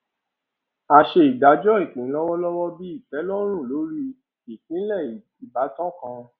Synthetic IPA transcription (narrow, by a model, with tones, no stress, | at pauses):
a˧˨ʃe˧i˨da˨˦d͡ʒɔ˦i˦˨kĩ˨˦lɔ˦wɔ˦lɔ˦wɔ˦bi˦i˦˨fɛ˨˦lɔ˦ɾ̃ũ˦˨lo˨˦ɾi˦ | i˨kĩ˨˦lɛ˦˨ | i˨ba˨˦tɔ̃˦kã˧